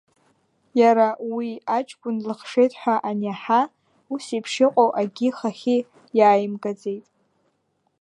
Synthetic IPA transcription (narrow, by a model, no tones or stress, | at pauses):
jaɾawiat͡ʃʼkʷʼʊnlɨχʂe̞jtʼħʷᶣaʔanaħa | usipʰʂɪqʷʼowʔaɡʲɪχaχʲi | jaːjɪmɡad͡ze̞jtʼ